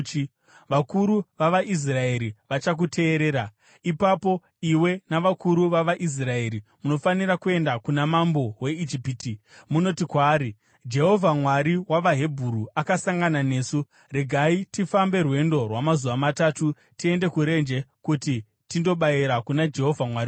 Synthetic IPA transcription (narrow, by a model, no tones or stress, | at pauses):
ʋakuɾuʋaʋaʔis̬rae̞ɾiʋat͡ʃak̬utʰe̞ːɾe̞ːɾa | ipapo̞ | iwe̞naʋakuɾuʋaʋaʔis̬rae̞ɾimuno̞faniɾakue̞ndakunamambo̞we̞id͡ʒipiti | muno̞tikwaːɾi | d͡ʒe̞ɦo̞vʱamwaɾiwaʋaɦe̞bʱuɾuakasaŋɡanane̞ːsu | re̞ɡʱaitifambe̞rwe̞ndo̞rwamazuʋamataːtu | tie̞nde̞kuɾe̞nd͡ʒe̞kuti | tindo̞ɓaiɾakunad͡ʒe̞ɦo̞vʱamwaɾi